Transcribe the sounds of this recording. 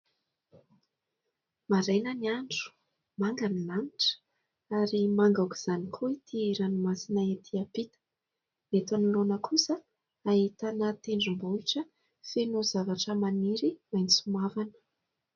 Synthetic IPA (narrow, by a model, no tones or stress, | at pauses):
maɾajnəniaɳɖ͡ʐu̥ | maŋɡanilaniʈ͡ʂə̥ | aɾimaŋɡawku̥z̥anikʰuit̪ʰiiɾanimasinaet̪ʰiapit̪ə̥ | met̪anilonəkʰusə | aɦit̪anət̪eɳɖ͡ʐumboiʈ͡ʂə | fenozavaʈ͡ʂəmaniɾimajnsumavanə̥